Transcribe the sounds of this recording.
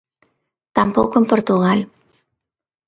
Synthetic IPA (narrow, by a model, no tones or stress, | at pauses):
t̪ampowkoempoɾt̪uɣal